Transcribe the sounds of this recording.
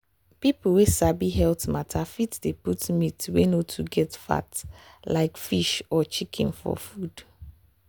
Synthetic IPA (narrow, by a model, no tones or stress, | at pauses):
pipl̩wesabiɦɛltmatʰafitdeputmitwenotʰuɡɛtfa̰t | laɪkfiʃɔt͡ʃikʰḭ̃nfɔ̰fud̥